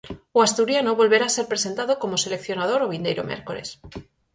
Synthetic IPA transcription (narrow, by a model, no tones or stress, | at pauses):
oast̪uɾjanoβo̞lβe̞ɾaːse̞ɾpɾe̞se̞nt̪aðoko̞mo̞se̞le̞kθjo̞naðo̞ɾoβ̞ind̪ejɾomjḛɾkole̞̰s